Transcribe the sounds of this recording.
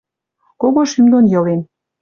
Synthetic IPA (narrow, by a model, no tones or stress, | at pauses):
koɣoʃymd̪onjɤ̆len